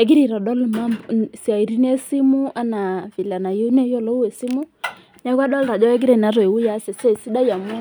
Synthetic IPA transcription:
ɛ˨˦k̬i˦ɾi˨ɾa˨ɗɔ˦lma˦msi˨a˨i˨ɾi˦ne˦si˦mu˦ʔa˦na˨vi˨la˨na˨jo˦nɛ˦jɔ˦lɔ˦u˦ɛ˨si˦mu˦ | na˦kwa˦ɗɔ˦lɾa˨d͡ʒɔ˦ɛ˦k̬i˦ɾɛ˨na˨ɾɔ˨e˨wu˦ja˦sɛ˨sɛ˦˨si˦da˦ja˨m˦a˦

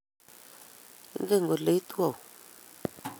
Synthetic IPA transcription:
ɡə˦˨ŋ˨ɡo˨le˨˦tu˦a˨w

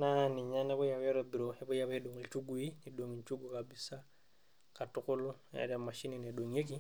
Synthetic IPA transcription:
na˦ni˨ɲa˦nɛ˦βɔ˦jawɛ˦ɾɔbi˨ɾoɛ˦bɔ˦jaβɛ˦do˨ŋi˨t͡ʃu˦ɡu˨i˦ni˨doŋi˨ɲt͡ʃu˦ɡukabi˦sa˦ | katuko˦lɛ̰ɾama˨ʃi˦ninɛ˨ɗo˨ɲe˦k̬i˦

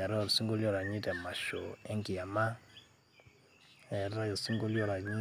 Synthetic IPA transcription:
a˨ɾɔ˦˨ɾsi˦ŋɡo˦ljɔ˦ɾa˨ɲi˦tɛ˨ma˨ʃo̰˨ɛ˦ŋki˨a˨ma˦ | ɛ˨ɾa˦jɔ˨si˦ŋɡo˦ljɔ˦ɾa˨ɲi˦

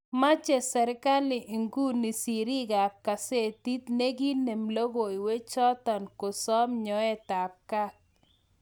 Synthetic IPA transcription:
ma˦t͡ʃe˨sɛ˨ɾɪ˦ka˦lɪ˨ʔi˨ŋɡu˦ni˨si˨ɾi˦ɡa˨ka˨se˦˨t̪i˦t̪ne˦ɡi˦ne˨mlo˦ɡo˨jwe˦t͡ʃɔ˦t̪ɔ˨nko˨sɔ˦mɲɔ˨˦ɛ˦t̪a˨kːa˦k̚

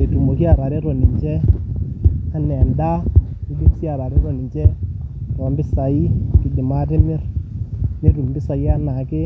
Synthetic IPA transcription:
e˨tu˨mo˨ki˦a˨ɾa˨ɾe˦ɾɔ˨ni˨ɲd͡ʒɛ˦ | a˦nɛ˨a˨nda˦i˦li˦msi˦a˨ɾa˨ɾe˦ɾɔ˨ni˨ɲd͡ʒɛ˦ɾɔ˨mbɪ˦sa˨i˦kɪ˨d͡ʒɪ˨ma˦tɪ˦mɪ˦r | ne˦ɾu˨mbɪ˦sa˨ja˦na˨kɪ˦

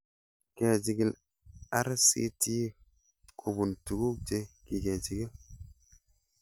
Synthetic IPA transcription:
ke˨d͡ʒi˨ɡi˦˨l | a˦ɾsḭ˦ti˦ | kʰo˨bu˨ntu˨ɡu˦k̚d͡ʒe˦ki˨ɡe˨d͡ʒi˨ɡi˦l

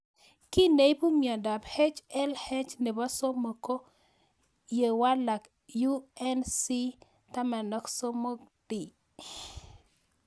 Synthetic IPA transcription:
kɪ˦ne˦i˦bu˦mjɔ˨da˨bhɛ˦t͡ʃɛ˦lhɛ˦t͡ʃne˨bɔ˦so˦mo˨ko˦ | je˨wa˦la˨k | ju˦ɛ˦nsi˦ | ta˦ma˨nɔ˦kso˦mo˦ɡd̥i˨

